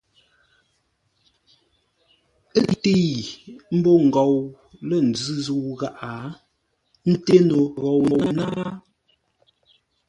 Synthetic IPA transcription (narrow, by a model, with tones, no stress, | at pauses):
ə˦i˨te˦˨m̩˦bɔ˦ŋ̩˨ɡɔ˨w | lə˦˨n̩˨d͡zɨ˦zu˦˨˦ɣa˦˨ʔa˨ | n̩˦te˦no˨ɣɔ˨wn˨wa˨na˦